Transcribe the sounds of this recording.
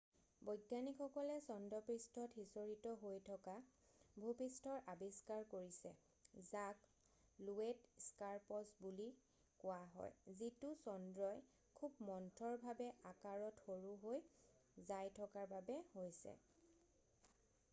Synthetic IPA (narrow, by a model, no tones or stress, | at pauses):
bɔjɡjanikʰɔkɔlɛsɔndɔpɹistʰɔthisoɹitɔɦojtʰɔkabʱupistʰɔɹʔabiskaɹkoɹisɛ̰ | zak | luetskaɹpɔsbuli | kʊwaɦɔ̰jzitʊsɔndɹɔj | kʰubmɔntʰɔɹbʱabɛʔakaɹɔtxoɹuɦojzajtʰɔkaɹbabɛhojsɛ̰